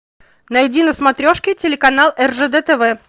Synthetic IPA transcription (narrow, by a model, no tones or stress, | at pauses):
nɐjdʲinəsmɐt̪ɾʲoʂkʲɪtʲɪlʲɪkɐnalˠɛrʐɛd̪ɛt̪ɛvɛ